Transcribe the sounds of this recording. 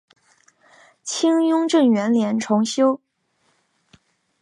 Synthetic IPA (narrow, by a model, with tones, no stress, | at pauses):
t͡ɕʰi˥ŋjʊ˥ŋʈ͡ʂɤ˥˩ŋɥɛ˧˥nljɛ˧˥nʈ͡ʂʰʊ˧˥ŋɕjo˥ʊ